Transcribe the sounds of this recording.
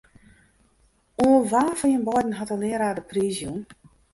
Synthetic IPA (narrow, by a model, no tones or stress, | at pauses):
oːlˠʋaːfɔjənbɔjdn̩ɦɔtəlɪəɾaːdəpriːzjun